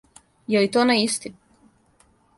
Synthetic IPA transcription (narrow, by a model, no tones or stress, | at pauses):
jɛlit̪onaist̪i